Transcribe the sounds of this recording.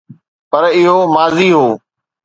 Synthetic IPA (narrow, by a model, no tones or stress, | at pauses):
pəɾɪɦoːmaːziːɦoː